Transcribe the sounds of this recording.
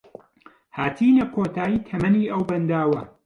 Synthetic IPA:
haːt̪ʰiːlɐkʰoːt̪ʰaːjiːt̪ʰɐmɐniːʔɐwbɐnd̪aːwɐ

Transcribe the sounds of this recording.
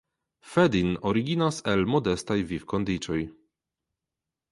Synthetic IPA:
fedinoɾiɡinase̞lmo̞de̞stajvivkond̪it͡ʃo̞j

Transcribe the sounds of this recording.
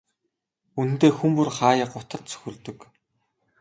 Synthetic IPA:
un̆nt̪eːxumpurχaːjə̆qʊt̪ə̆rt̪t͡sʰɵ̥xʲɵ̆ɮt̪ɵ̆k

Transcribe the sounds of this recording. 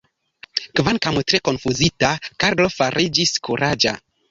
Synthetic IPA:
kvankamtɾe̞ko̞nfuzitakaɾlo̞faɾʔid͡ʒiskuɾʔad͡ʒa̰

